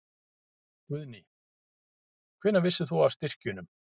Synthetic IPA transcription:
kʏðni | kʰvɪnːavɪsːʏθuast̪ɪr̥cʏnʏm

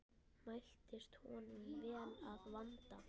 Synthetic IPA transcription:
majl̥t̪ɪst̪hɔ̰ːnʏmvɛːlaðvant̪a

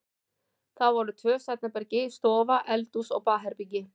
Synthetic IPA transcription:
θawvɔɾʏt̪ʰœːsɛt̪napɛɾcɪst̪ɔːvaʔɛlt̪usɔɣpaːɦɛɾpic̬ːɪ

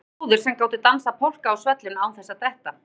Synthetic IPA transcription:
ðɪɾ̥sɛmkaːwt̪ɪt̪ansapʰol̥kaːwsvɛt̪lɪnaːwθɛsːat̪ɛht̪a

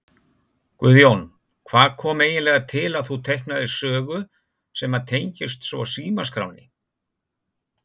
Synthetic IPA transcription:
kvʏðjown | kʰvaːðkʰɔːmeːjɪnlɛɣat̪ʰɪlaðθut̪ʰejhknaðɪsœːɣʏ | sɛːmat̪ʰejɲcɪst̪svɔ̰siːmaskɾa̰wnɪ

